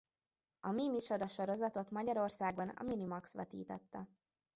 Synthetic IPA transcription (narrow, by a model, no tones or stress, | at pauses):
ɒmimit͡ʃod̪ɒʃo̞ɾo̞zɒt̪o̞t̪mɒɟɒɾo̞rsaːɡonɒ̰minimɒksʋɛt̪ḭːt̪ɛt̪ːɛ